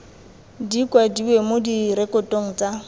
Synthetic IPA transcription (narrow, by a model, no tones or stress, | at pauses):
dikʼwadiwemodiɾɛkʼɔtʼoŋ̩t͡sʼa